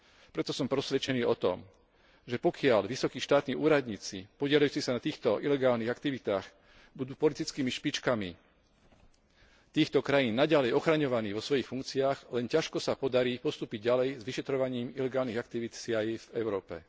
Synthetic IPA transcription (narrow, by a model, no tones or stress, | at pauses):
pɾɛt̪ɔsɔmpɾɔsʋɛt͡ʃɛniːɔt̪ɔ̰m | ʒɛpɔkɪaʎʋisɔkiːʃt̪aːt̪niːʔuːɾad̪ɲiːt͡sipɔɟɪɛlajuːt͡sisanat̪iːxt̪ɔʔilɛɡaːlniɣakt̪iʋit̪aːx | bud̪uːpɔlit̪it͡skiːmiʃpit͡ʃkami | t̪iːxt̪ɔkɾajiːnːaɟalɛjɔxɾaɲɔʋaniːʋɔsʋɔjixfuŋkt͡siaːɣlɛncaʃkɔsapɔd̪aɾiːpɔst̪uːpiɟɟalɛjzʋiʃɛt̪ɾɔʋaɲiːmilɛɡaːlniɣak̚t̪iʋit̪sɪajvɛʊɾɔːpɛ̰